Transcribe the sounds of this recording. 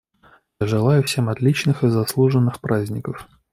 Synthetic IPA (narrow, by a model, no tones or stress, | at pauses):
jaʐɨlˠajʊfsʲe̞mɐt̪lʲit͡ɕnɨxɨzɐslˠuʐənːɨxpɾazʲnʲɪkəf